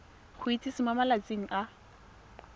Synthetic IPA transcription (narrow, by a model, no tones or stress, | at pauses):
χʊit͡sʼisɪmamalat͡sʼeŋ̩ʔa